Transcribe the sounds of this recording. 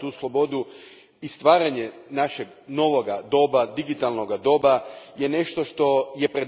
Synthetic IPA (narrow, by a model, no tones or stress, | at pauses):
t̪uːslˠo̞bo̞d̪u | ist̪ʋaːɾaɲenaʃeɡ | no̞ʋo̞ɡad̪o̞bad̪iɡit̪alno̞ɡad̪o̞ːbajene̞ʃt̪o̞ʃt̪o̞je̞pɾed̪